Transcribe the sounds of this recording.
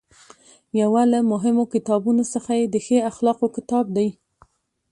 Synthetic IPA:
jawalamʊɦɪmokɪt̪ɑbunosəxajed̪əxeaxlɑqokɪt̪ɑb̚d̪aj

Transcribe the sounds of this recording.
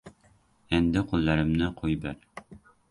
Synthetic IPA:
ɛnd̪ɪqʰolˠːɑɾɪmnɪqʰojbæɾ

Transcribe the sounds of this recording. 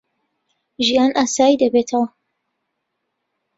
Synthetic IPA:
ʒijaːnʔaːsaːjid̪ɐbeːt̪ʰɐwɐ

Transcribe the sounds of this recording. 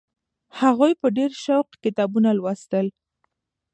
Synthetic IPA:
haɣojpəɖeɾʃawqkɪt̪ɑbunalwast̪əl

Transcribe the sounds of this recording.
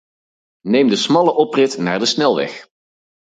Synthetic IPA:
nejmdəsmɑləʔɔprɪtna̰ːɹdəsnɛlˠʋɛ̰χ

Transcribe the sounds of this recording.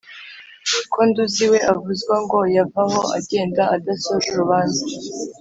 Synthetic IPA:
kʰonduziwe̞ʔavuzɡwaŋɡo̞javaho̞a̰ɟe̞ːndaadasoʒuɾuβaːnza

